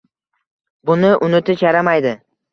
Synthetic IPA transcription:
bʊnɪʔʊnɪt̪ʰɪt͡ʃʰaɾamajd̪ɪ

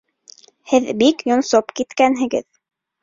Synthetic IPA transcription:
hɘðbikjŏnsopkit̪kænɦɘ̆ɡɘ̰ð

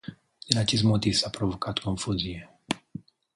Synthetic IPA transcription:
ɛd̪acizmɔt̪isapɾɔʋɔkat̪kɔɱfuːziɛ

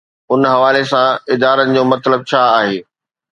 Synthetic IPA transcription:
ʊnɦɐʋaːlesãɪd̪aːɾənɪ̆d͡ʑoːmɐt̪ləb̚t͡ɕʰaːaːɦeː

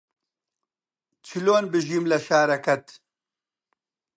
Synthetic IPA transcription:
t͡ʃʰiloːnbɨʒimlɐʃaːɾɐkɐt̪

